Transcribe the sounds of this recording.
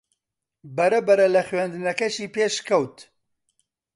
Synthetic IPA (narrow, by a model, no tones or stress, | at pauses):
bɐɾɐbɐɾɐlɐχɥɛnd̪ɨnɐkɐʃiːpeːʃkʰɐwt̪